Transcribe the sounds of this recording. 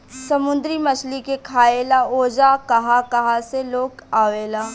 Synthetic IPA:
sɐmʊ̃nd̪ɾimɐt͡ʃʰlikekʰaːelaoːd͡ʒakɐɦakɐɦaseloːkaːʋeːlaː

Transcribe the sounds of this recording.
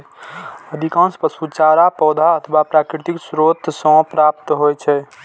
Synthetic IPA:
əd̪ʱikãnspəsut͡ʃaɾapɔːd̪ʱaət̪ʰəʋapɾakɾit̪iksɾot̪ʰsɔ̃pɾap̚t̪ɦojt͡ʃʰɛ

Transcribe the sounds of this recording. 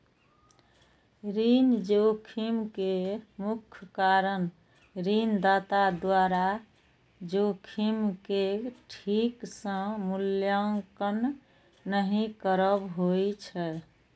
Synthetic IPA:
ɾind͡ʒokʰimkemukʰkaɾən | ɾind̪at̪ad̪waɾa | d͡ʒokʰimkeʈʰiksə̃muljaŋkənː | əɦĩkəɾəbɦojt͡ʃʰɛ

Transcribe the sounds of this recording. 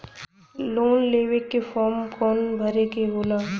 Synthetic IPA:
loːnleːʋekːefʰɔːɾmkɔːnbʱəɾekeɦoːlaː

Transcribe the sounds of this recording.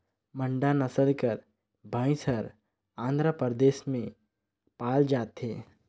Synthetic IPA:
mə̃ɳɖanɐsəlkəɾ | bʱaːĩsəɾ | ãːnd̪ɾəpəɾd̪eːʃmẽ | paːld͡ʒaːt̪ɦeː

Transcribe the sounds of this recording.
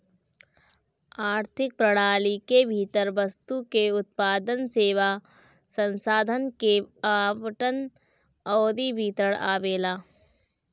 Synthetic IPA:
aːɾt̪ʰɪk̚pɾɐɽaːlikebʱiːt̪əɾʋəst̪ukeʊt̪̚paːd̪ənseːʋa | sə̃nsaːd̪ʱənkeaːʋəʈən | ɔːd̪ibʱiːt̪əɽa̰ːʋeːlaː

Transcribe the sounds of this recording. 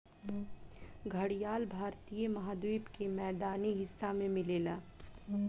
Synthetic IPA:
ɡʱɐɽijaːlbʱaːɾt̪ijəmɐɦaːd̪wiːpkemɛːd̪aːniɦɪsːamẽmɪleːlaː

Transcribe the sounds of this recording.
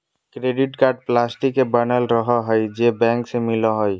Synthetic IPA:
kɾeɖiʈkaɾɖ̚plasʈikebanalɾɔɦɔɦɔjd͡ʒebɛŋksemilɔɦɔj

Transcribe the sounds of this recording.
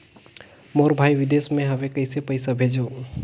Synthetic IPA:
moːɾbʱaːiʋɪd̪eːsmẽɦɐʋẽkɐɪsepɐɪsabʱeːd͡ʒoː

